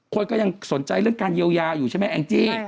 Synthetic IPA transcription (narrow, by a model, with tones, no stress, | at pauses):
kʰo˧nkɔː˥˩ja˧ŋso˩˦nt͡ɕa˧jɾɯ˥˩əŋkaː˧njiː˧əwjaː˧juː˨˩t͡ɕʰa˥˩m˦˥˩jʔɛ̰˧nt͡ɕiː˥˩